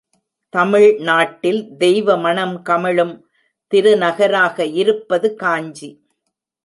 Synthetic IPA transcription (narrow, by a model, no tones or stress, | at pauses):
t̪ɐmɪɻnaːʈːɪld̪ɛjʋɐmɐɳɐmkɐmɪɭɯm | t̪ɪɾɯnɐɣɐɾaːɣɐɪɾɯpːɐðɯkaːɲd͡ʒi